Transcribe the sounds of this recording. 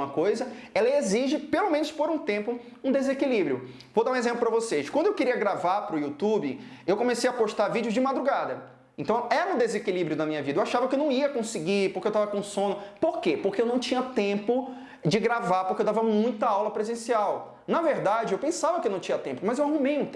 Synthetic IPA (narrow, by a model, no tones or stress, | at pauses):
ɐkojzɐɛlɐeziʒɪpelomẽnʊspoɾũt̪ẽmpʊ | ũd̪ezekilibɾiʊ | vod̪aɾũezẽmplʊpɾɐvoseʃkwɐ̃nd̪ʊewkeɾiɐɡɾavaɾpɾʊjut̪ubɪewkõmesejɐpoʃt̪aɾvid͡ʒɪʊzd͡ʒɪmad̪ɾuɡad̪ɐ | ẽt̪ɐ̃w̃ɛɾɐʊd̪ezekilibɾjʊd̪ɐmĩɲɐvid̪ɐewaʃavɐkɪewnɐ̃w̃iɐkõsiɡipoɾkewt̪avɐkõsõnʊpoɾkepoɾkeewnɐ̃w̃t͡ʃĩɲɐt̪ẽmpʊ | d͡ʒɪɡɾavaɾpoɾkewd̪avɐmũj̃t̪ɐawlɐpɾezẽsiaw | nɐveɾd̪ad͡ʒɪewpẽsavɐkɪewnɐ̃w̃t͡ʃĩɲɐt̪ẽmpʊmɐzewaɦumejũt̪